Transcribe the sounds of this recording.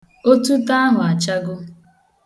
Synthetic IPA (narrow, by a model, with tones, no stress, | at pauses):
o˦tu˦ta˦a˦ɦʊ˨a˨t͡ʃa˦ɡʊ˦